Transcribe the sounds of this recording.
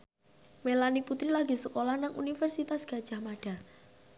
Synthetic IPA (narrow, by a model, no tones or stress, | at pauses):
melaniput̪ɾilaɡ̥i̤səkolanaŋʔṵnifɛrsit̪asɡ̥a̤d̥ʒ̥a̤hmaɖ̥a̤